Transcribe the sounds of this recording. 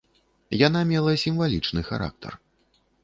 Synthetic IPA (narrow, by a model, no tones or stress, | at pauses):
janamʲɛlˠɐsʲimvalʲit͡ʂnɨxa̰ɾa̰k̚t̪ʰɐ̰r